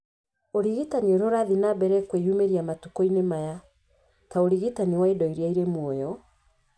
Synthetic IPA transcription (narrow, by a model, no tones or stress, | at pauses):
oɾiɣitanioɾoɾaðinabɛɾɛkwejumeɾiamatukɔinemaja | taoɾiɣitaniwaedɔiɾiaiɾemwɔjɔ